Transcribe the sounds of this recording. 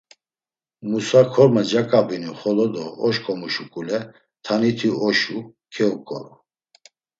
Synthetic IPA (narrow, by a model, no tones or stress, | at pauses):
musakʰɔɾmad͡ʒakʼabiniχɔlɔd̪ɔɔʃkʰʼɔmuʃukʼulɛ | t̪ʰanit̪ʰiɔʃukʰɛɔkʼɔ̰ɾɔ